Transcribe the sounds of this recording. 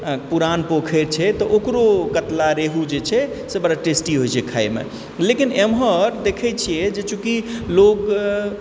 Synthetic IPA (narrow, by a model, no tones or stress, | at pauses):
puɾanpokʰɛɾt͡ʃʰɛt̪ɔʔokɾokət̪laɾeɦud͡ʒet͡ʃʰɛ | sebəɽaʈesʈiɦojt͡ʃʰɛkʰajmḛ | lekinemɦəɾd̪ekʰɛt͡ʃʰijɛd͡ʒet͡ʃʰukiloɡ